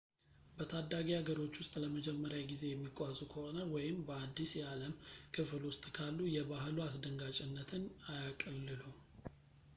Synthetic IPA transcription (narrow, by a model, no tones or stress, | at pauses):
bət̪ʰad̪ːaɡiaɡəɾo̞t͡ʃːwʊst̪ʼləməd͡ʒɛmːəɾjaɡize̞jɛmːikʼːazʼukʰəho̞nəwɔjɪmbəad̪ːisjɛaləmkʰɨflwʊst̪ʼkʰalːujɛbahluasd̪əŋɡat͡ʃʼɪnːət̪ʰɨnajakʼəlːɨlu